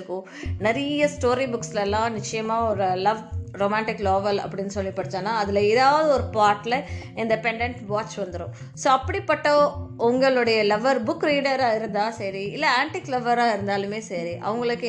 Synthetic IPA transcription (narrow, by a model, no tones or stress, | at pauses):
ɯkːʊ̃ | nɛɾɐjɐsʈoːɾibʊkslɛlːãːnɪt͡ʃːɐjɐmaːɔɾɯlɐʋɾoːmaːɳʈɪkːloːʋɐlɐ̰pːɐɽɪnːɯsɔlːipɐɽɯt̪ːãːnaːɐðɪlɐɪðaːʋɐðɯɔɾɯpaːɾʈːlɐ | ɪɳɖ̪ɐpɛɳɖɛɳʈʋaːt͡ʃːʋɐnd̪ɯɾʊ̃ | soːɐpːɐɽipːɐʈːoʊŋɡɐɭɯɽɐjɐlɐʋɐɾbʊkːɾiːɽɐɾaːɪɾɯnd̪ãːsɐɾiɪlːɐaːɳʈiklɐʋɐɾaːɪɾɯnd̪aːlɯmeːsɐɾiʔɐ̰ʋɐŋɡɐɭɯkːɯ